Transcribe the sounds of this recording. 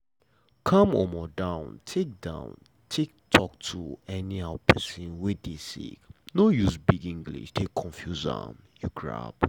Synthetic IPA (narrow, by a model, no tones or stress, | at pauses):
kʰãmɔmɔdãʊ̃ntʰek̚dã̰ʊ̃n | tʰek̚tʰɔktʰuɛnihapʰɛ̰sĩnwɛdesḭknojusbiɡĩŋɡlḭʃtʰekʰːɔ̃ɱfjuza̰m | juɡɹa̰b̥